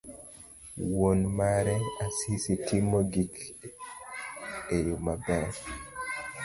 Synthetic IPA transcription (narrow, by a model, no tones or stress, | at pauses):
wonmaɾɛasisitimɔɡik | ejomabɛɾ